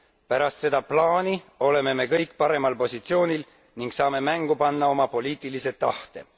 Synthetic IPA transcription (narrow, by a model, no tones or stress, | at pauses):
pæɾɑst̪se̞d̪̥ɑplɑːnio̞le̞me̞me̞kɤjkˑːpɑɾe̞mɑlpo̞sʲit̪sio̞ːnʲil | niŋɡsɑːme̞mæŋɡ̥upɑnːɑo̞mɑpo̞liːt̪ˑilise̞t̪ːɑht̪e